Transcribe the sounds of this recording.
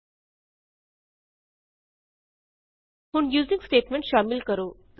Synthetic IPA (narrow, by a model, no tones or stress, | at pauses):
huɳjuːziŋɡsʈeːʈmẽɳʈʃaːmilkəɾoː